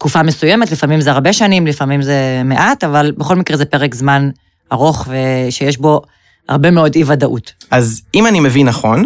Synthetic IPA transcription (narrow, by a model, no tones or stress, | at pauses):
kufamesuje̞metlifamimzeaʁbe̞ʃanimlifamimze̞me̞ʔatavalbeχo̞lmikʁezepe̞ʁekzman | aʁo̞χve̞ʃejeʃbo̞ | ha̰ʁbe̞me̞o̞divadaʔutʔazimanimevinːaχo̞n